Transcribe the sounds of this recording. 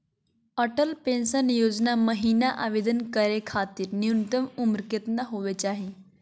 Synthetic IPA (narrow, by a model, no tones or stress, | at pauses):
əʈəlpẽnsənjod͡ʑnaməɦinaʔa̰ʋed̪ənkəɾekʰaːt̪iːɾnjunt̪əmumɾket̪naɦoʋet͡ɕaːɦi